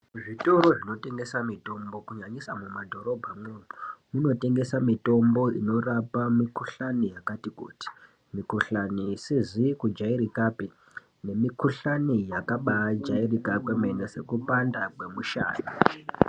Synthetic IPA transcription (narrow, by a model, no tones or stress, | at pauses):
ʐito̞ɾo̞ʐino̞te̞ŋɡe̞samito̞mbo̞kuɲaɲisamumadʱo̞ɾo̞bʱamwenumuno̞te̞ŋɡe̞samito̞mbo̞ḭno̞rapamikuɬanijakatikṵːti̥ | mikuɬaniːsizikud͡ʒaiɾikape | ne̞mikuɬanijakaɓaːd͡ʒairikapemenese̞kupandakwe̞muʃa̰ːni